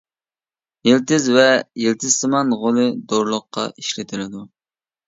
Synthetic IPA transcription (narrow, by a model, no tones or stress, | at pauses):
jelt̪ɪzvɛjelt̪ʰɪz̥sɨmɑnʁolˠɨd̪oɾlˠʊqːɑ̰ʔiʃlɪt̪ʰɪlɪd̪u